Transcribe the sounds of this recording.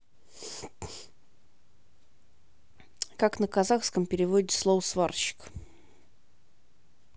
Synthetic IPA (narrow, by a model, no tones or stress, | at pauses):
kaknəkɐzaxskəmpʲɪɾʲɪvodʲɪt̪slˠovəsvarɕɪ̥k